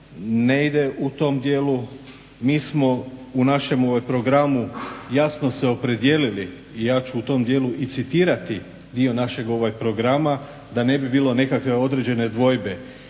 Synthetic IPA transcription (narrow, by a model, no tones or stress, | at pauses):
neid̪e̞ʔut̪o̞md̪je̞ːlu | miːsmo̞unaʃe̞mo̞ʋajpɾo̞ɡɾamujasno̞se̞opɾe̞d̪je̞liliː | jaːt͡ɕuːt̪o̞md̪je̞ːluʔit̪sit̪iːɾat̪i | d̪io̞naʃe̞ɡo̞ʋajpɾo̞ɡɾama | d̪ane̞bibiːlˠo̞ne̞kakʋe̞o̞d̪ɾe̞d͡ʑe̞ne̞d̪ʋo̞jbe̞